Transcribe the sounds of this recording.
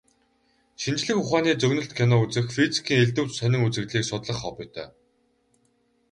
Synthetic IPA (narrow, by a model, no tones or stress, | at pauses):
ʃint͡ɕɮɘ̆xʊχaːniːt͡sɵɣnɵ̆ɬt̪kʰenɔːut͡sɘ̆xfit͡si̥kʰiːŋeɮt̪ɘ̆wt͡ɕsœnʲɪ̆ŋut͡sɘ̆ɣɮiːksʊt̪ɮə̆χɔpɞ̆jt̪ʰœ̰ː